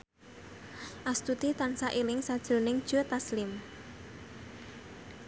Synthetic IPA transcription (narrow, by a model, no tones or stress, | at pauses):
ʔast̪ut̪it̪ansaʔilɪŋsad̥ʒ̥ɾo̤nɪŋd̥ʒ̥o̤t̪aslɪm